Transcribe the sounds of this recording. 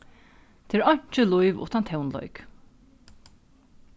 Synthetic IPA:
t̪ʰɪɹɑɲ̥t͡ʃəlɔʏʋʊ̰t̪ɑnt̪ʰɛʊnlɔ̰ʏk

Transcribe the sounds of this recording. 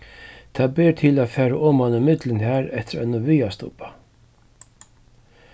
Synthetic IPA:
t̪ʰaːbɪːɾt̪ʰɪlaːðfɛːɾaʔʊmhanːɪmɪt̪lɪnhæːɾɛht̪ɪɾɛ̰nʊviːast̪ʊ̰pḁ

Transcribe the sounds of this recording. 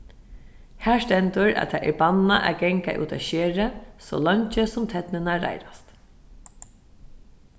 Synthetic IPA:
hæːʂt̪ɛnt̪ʊɹa̰t̪ʰaːʔɛɹbanaʔæ̰ɡɛŋka̰ʔṵːt̪ʰa̰ʃeːɹəso̰ːlɔɲt͡ʃəsʊmt̪ʰɛt̪nɪnaɾa̰jɾast̪

